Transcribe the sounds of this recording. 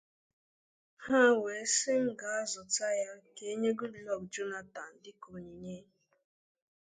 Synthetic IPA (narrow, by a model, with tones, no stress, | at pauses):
ha˦˨we˨˦sɪ˦ŋ̩˦ɡa˨a˦zʊ˨ta˦ja˦ke˦e˦ɲe˦ɡu˦dlɔ˦˨k̚d͡ʒu˦na˨ta˨n̩˨dɪ˦ko˨ɲi˨ɲe˦